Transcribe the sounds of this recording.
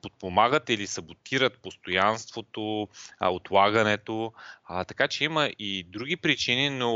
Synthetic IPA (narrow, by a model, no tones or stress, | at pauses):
pot̪̚pomaɡət̪ilisəbot̪iɾət̪̚post̪ojanst̪vot̪oot̪lˠaɡɐnɛt̪ot̪ɐkat͡ʃɛiməʔid̪ɾuɡ̟ʲipɾit͡ʃinino